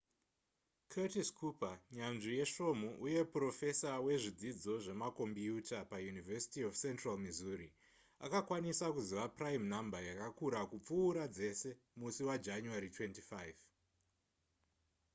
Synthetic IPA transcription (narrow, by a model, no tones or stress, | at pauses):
kʰetiskʰupaɲanʐije̞ʃo̞muʔuje̞pro̞fe̞sawe̞ʐid͡zid͡zo̞ʐe̞mako̞mbiutapajunivesi̥tiofse̞ntralmizuri | a̰kakwanisakuziʋapraimnambajakakuɾakup͡fuːɾad͡ze̞se̞ | musiwad͡ʒaɲuaɾitwe̞ntifajv